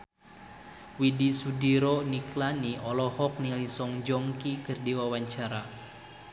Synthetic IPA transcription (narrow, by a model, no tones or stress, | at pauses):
widisudiɾɔniklaniɔlɔhɔk̚nilisɔŋd͡ʒɔŋkikɨrdiwawaɲt͡ʃaɾa